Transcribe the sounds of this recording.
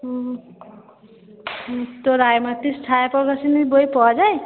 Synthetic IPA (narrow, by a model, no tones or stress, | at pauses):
t̪oɾajmat̪isʈʰaapɔɾɡasinibojpɔd͡ʒaj